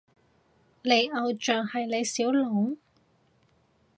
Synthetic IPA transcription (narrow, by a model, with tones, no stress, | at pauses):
le˨˧jɐ˨˧wt͡ʃœː˨ŋhɐ˨jle˨˧jsiː˨˥wlɔ˨˥ŋ